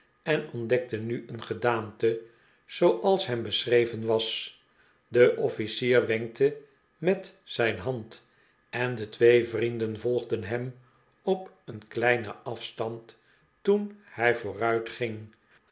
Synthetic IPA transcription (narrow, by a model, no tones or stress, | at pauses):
ɛnɔndɛk̚tənyʔənχədaːmtə | z̥owʔɑlˠsɦɛmbəsrejvənʋɑs | dəʔɔfisiːrʋɛŋk̚tə | mɛtzɛjnɦɑnt | ɛndətʋejvrindənvɔlˠχdənɦɛm | ɔp | ənklɛjnə̰ʔɑfstɑnt | tunhɛjvʊːrœɥtχɪŋ